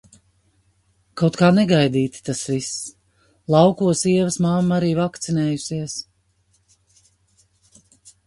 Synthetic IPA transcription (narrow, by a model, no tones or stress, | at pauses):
kawt̪kaːnɛɡajd̪iːt̪i̥t̪asvis | lˠɑwkuɔsiɛvəsmamːaɾiːvakt̪sinɛːjusiɛs